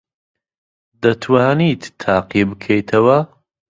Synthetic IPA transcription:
d̪ɐt̪ʰwaːnit̪ʰːaːqibɨkʰejt̪ʰɐwɐ

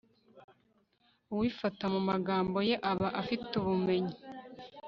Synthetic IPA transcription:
uwiːfatamumaɡaːmbo̞je̞ʔaβaʔafituβume̞ɲi

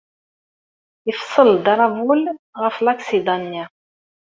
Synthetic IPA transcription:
əfsˤəld̪ɾˤɑvulʁəflaksid̪ɑnːa

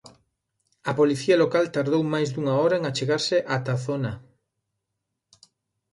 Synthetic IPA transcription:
ɐpoliθiɐlokalt̪aɾðowmajzd̪uŋaɔɾaeŋat͡ʃeɣaɾsɪʔat̪aθona

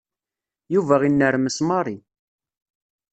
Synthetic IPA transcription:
juvæʁinːəɾməsmɑɾˤi

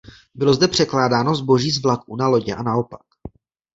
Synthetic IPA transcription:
bɪlo̞zdɛpr̥ɛklaːdaːno̞zbo̞ʒiːzvlak̚unalo̞ɟɛ̰ʔanao̞pḁk

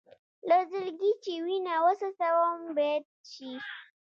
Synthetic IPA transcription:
lozʊrɡʲiːt͡ʃiːwiːnaːwɐsusɐwɔmbɐ | t͡ʃiː

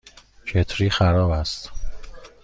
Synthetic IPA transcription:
t͡ʃʰet̪ʰɾiːxæɾɒːbæst̪

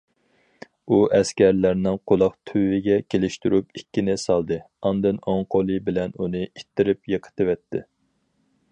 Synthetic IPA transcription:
uɛskʲɛɾlæɾnɪŋqʰolˠɑχt̪ʰywɪɡʲɛkʲelɪʃt̪yɾupikʲːinɪsɑlˠd̪ɨ | ɑnd̪ɨnoŋqʰolˠɨbɪlɛnunɨit̪ʰːɪɾɪpjeqʰə̥t̪ɨwɛt̪ʰːɪ̰

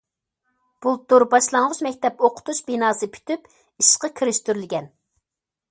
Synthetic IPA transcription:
b̥ulˠt̪ːuɾbɑʃlˠɑŋʁʊʃmɛkʲt̪ʰɛpoqʰʊ̥t̪uʃbinɑːsɨpʰy̥t̪yp | iʃqəkʲʰiɾɪʃt̪yɾlɪɡʲɛn

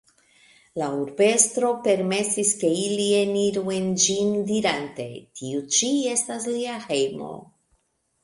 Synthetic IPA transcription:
lauɾbe̞stɾo̞pe̞ɾme̞siske̞ilieniɾuend͡ʒindiɾante̞̰tiut͡ʃie̞stasliaxe̞jmo̰

